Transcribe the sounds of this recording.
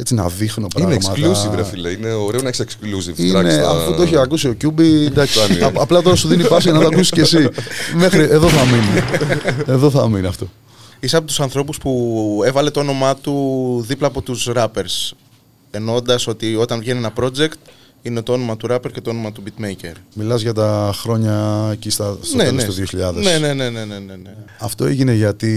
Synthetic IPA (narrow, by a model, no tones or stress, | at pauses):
et͡sinɐ̰ðixnopɾinekmɐklusivɾɐfilɐineoɾeonɐeçseksklusiviɐneɐ̰fuoeçeɐkusio̞cubid̪ɐksnɐplɐt̪o̞ɾɐsuðinipɐsiʝenɐt̪oɐkusisce̞simexɾiʔe̞ðoθɐmini | eðoθɐminiɐft̪o̞ | isɐpot̪u̥sɐnθɾo̞puspue̞vɐle̞t̪oo̞no̞mɐt̪uðiplɐːpo̞t̪usɾɐpe̞ɾs | e̞no̞nd̪ɐso̞t̪io̞t̪ɐɱvʝe̞nienɐpɾo̞d͡ze̞kt̪ | inet̪oo̞no̞mɐt̪uɾɐpeɾce̞t̪oono̞mɐt̪ubit̪mejce̞̰ɾmilɐzʝɐt̪ɐxɾo̞ɲɐecist̪ɐstnnenset̪oðioçiʎɐðense̞ne̞ne̞nene̞neneɐft̪o̞eʝineʝɐt̪i